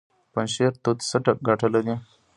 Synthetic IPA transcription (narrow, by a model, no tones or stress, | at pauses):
pənɕeɾt̪ot̪səʈək̚ɡʱaʈʰələd̪ĩ